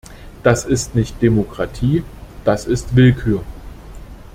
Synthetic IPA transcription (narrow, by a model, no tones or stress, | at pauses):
d̥asɪstnɪçt̚d̥emokʁ̥atʰiːd̥asɪstv̥ɪlkʰyːɐ